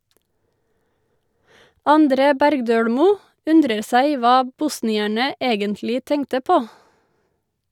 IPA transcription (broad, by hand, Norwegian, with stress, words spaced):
ɑnˈdɾeː ˈbæɾɡdøːɽmuː ˈʉndɾəɾ ˈsæɪ ˈʋɑː ˈbʊsnɪæɳə ˈeːɡəntlɪ ˈtɛŋtə ˈpoː